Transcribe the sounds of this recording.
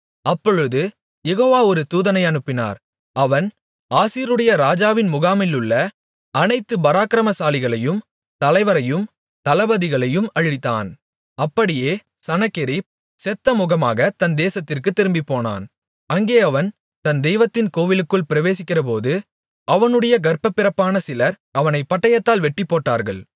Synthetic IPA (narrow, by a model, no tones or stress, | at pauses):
ɐpːɔɻɯðɯ | jɛɣoːʋaːɔɾɯt̪uːðɐnɐɪɐɳɯpːɪna̰ːɾ | ɐʋɐn | aːsiːɾɯɽɐjɐɾaːd͡ʒaːʋɪnmʊɣaːmɪlɯɭːɐ | ɐnɐɪt̪ːɯbɐɾaːkɪɾɐmɐsaːlɪɣɐɭɐjɯm | t̪ɐlɐɪʋɐɾɐjɯm | t̪ɐlɐbɐðɪɣɐɭɐjɯmɐɻɪt̪ːa̰ːn | ɐpːɐɽɪjeː | sɐnɐkːɪɾi | sɛt̪ːɐmʊɣɐma̰ːɣɐt̪ɐnd̪eːsɐt̪ːɪrkɯt̪ːɪɾɯmbɪpːoːna̰ːn | ɐŋɡeːɐʋɐn | t̪ɐnd̪ɛjʋɐt̪ːɪnkoːʋɪlɯkːɯɭpɪɾɐʋeːsɪkːɪrɐp̬oːðɯ | ʔɐʋɐnɯɽɐjɐɡɐrpɐpːɪɾɐpːaːnɐsɪlɐɾ | ʔɐʋɐnɐɪpːɐʈːɐjɐt̪ːaːlʋɛʈːɪpːoːʈːa̰ːɾɣɐ̰ɭ